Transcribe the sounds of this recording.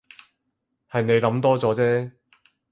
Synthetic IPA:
hɐ˨jne˨˧jlɐ˨˧˥mt̪ɔː˥t͡sɔː˨˥t͡sɛː˥

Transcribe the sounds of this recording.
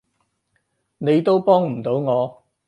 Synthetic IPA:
ne˨˧jt̪o˥wpɔː˥ŋm̩˨˩t̪o˨˥wŋɔː˨˧

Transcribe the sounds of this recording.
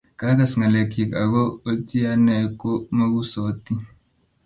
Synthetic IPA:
ka˦ka˨sŋa˨le˨ki˨ka˨ɣo˦o˦t͡ʃi˦a˦nɛ˨ko˦ma˦ɡu˦so˨˦t̪i˦

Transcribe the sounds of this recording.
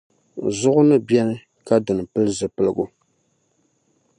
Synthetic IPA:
zʊ˦ʔʊ˦nɨ˦bjɛ˦nɨ˦ | ka˦dɨ˨nɨ˨pɨ˦lɨ˦zɨ˨pɨ˨lɨ˨ɡʊ˨

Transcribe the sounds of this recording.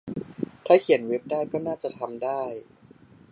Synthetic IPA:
t̪ʰaː˧˥˩kʰi˨˩˦ə˦nwe˦˥p̚daː˥˩jkɔː˥˩naː˥˩t͡ɕa˨˩t̪ʰa˧mdaː˥˩j

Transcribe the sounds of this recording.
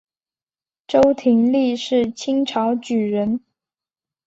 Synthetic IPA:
ʈ͡ʂo˥ʊt̪ʰi˧˥ŋli˥˧ʂɻ̩˥˩t͡ɕʰi˥ŋʈ͡ʂʰɑ˧˥ʊt͡ɕy˨˩ɻə˧˥n

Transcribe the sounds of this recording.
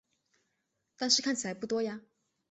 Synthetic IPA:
t̪a˥˧nʂɻ̩˥˧kʰa˥˩nt͡ɕʰi˨˩la˧˥ɪpu˥˩t̪wɔ˥ja˧

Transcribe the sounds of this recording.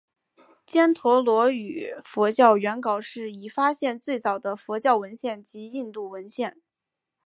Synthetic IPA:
t͡ɕjɛ˥nt̪ʰwɔ˧˥lwɔ˧˥y˨˩fɔ˧˥t͡ɕjɑ˥˩ʊɥɛ˧˥nkɑ˨˩ʊʂɻ̩˥˩i˨˩fa˥ɕjɛ˥˧nt͡swe˥˩ɪt͡sɑ˨˩ʊd̪ə˦fɔ˧˥t͡ɕjɑ˥˩ʊwə˧˥nɕjɛ˥˩nt͡ɕi˧˥i˥˧nt̪u˥˩wə˧˥nɕjɛ˥˩n

